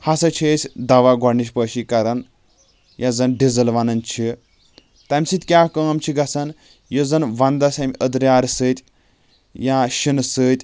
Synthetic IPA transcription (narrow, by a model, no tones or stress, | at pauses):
hɐsɐt͡ʃʰesʲd̪ɐʋaɡɔɽniʃ̬pəːʃikɐɾɐn | jazɐnɖizɐlʋɐnɐnt͡ʃʰi | t̪ɐmʲsit̪ʲkʲaːkəːmt͡ʃʰiɡɐsɐn | jəzɐnʋɐnd̪ɐsʲɐmʲiʔəd̪ɾʲjaːɾsɨt̪ʲ | jãʃinsɨt̪ʲ